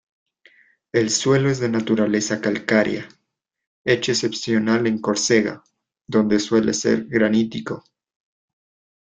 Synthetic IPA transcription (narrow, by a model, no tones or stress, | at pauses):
e̞lswe̞lo̞ezðe̞nat̪uɾale̞sakalkaɾja̰ | e̞t͡ʃeːse̞psjo̞nale̞ŋko̞ɾse̞ɣa̰ | ðo̞nd̪e̞swe̞lʔese̞̰ɾɣɾanit̪iko̞